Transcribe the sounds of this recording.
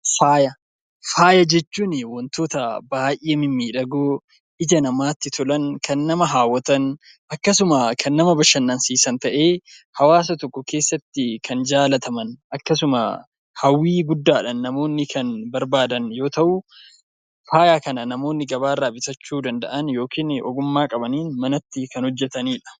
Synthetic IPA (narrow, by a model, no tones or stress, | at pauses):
faːjɐ | faːjɐd͡ʒɛt͡ʃːuːnɪwɔnt̪o̞ːt̪ɐbaːjʔʔeːmɪmːiːᶑɐɡoː | ʔɪd͡ʒɐnɐmaːt̪ːɪt̪ʊlɐnkʰɐnːɐmɐɦaːwːɐt̪ɐn | ɐkːɐsʊmɐkʰɐnːɐmɐbɐʃɐnːɐnsiːsɐnt̪ɐʔe̞ːhɐwaːs̬ɐt̪ɔkːɔke̞ːsːɐt̪ːɪkʰɐnd͡ʒaːlɐt̪ʰɐmɐnɐkːɐsʊmɐ̰ | hɐwːiːɡʊd̪ːaːᶑɐnːɐmo̞ːnːɪkʰɐnbɐɾbaːd̪ɐnjo̞ːt̪ɐʔʊ | faːjaːkɐnɐnɐmo̞ːnːɪɡɐβaːrːaːbɪsɐt͡ʃːuːd̪ɐnd̪ɐʔɐnjo̞ːkʰiːnɔɡʊmːaːkʼɐbɐniːnmɐnɐt̪ːɪkɐnhɔd͡ʒːɛt̪ɐniːᶑɐ̥